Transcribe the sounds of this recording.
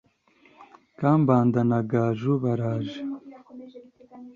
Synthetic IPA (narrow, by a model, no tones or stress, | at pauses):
kambaːnd̪ɐnaɡaːʒubɐɾaːʒ